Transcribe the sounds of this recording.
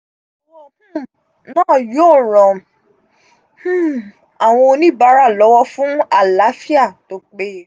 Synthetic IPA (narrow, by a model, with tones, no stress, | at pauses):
wɔ̃˦˨hũ˦˨ | nãː˦˨joː˦˨ɾɔ̃˨ | h̩˦˨ | a˨w̃ɔ̃˧o˧nĩ˦ba˨˧˦ɾa˦˨lɔ˨˦wɔ˦fũ˦a˦˨la˨˦fi˦a˦˨to˧˦k͡pe˦